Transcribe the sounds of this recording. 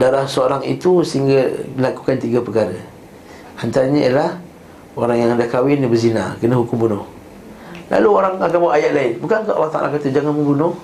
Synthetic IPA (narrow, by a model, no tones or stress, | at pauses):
daɾahsəoɾaŋḭt̪usəiŋɡalaku̥kant̪iɡapəkaɾə̰ | hant̪aɲaiəlah | oɾaŋjaŋadakawɪnibəzina̰kənəɦukʊmbunʊh | la̰luoɾaŋakamawajaʔlaɪnbukankaʔa̰laht̪a̰ʔa̰lakat̪əd͡ʒaŋanməmbunʊh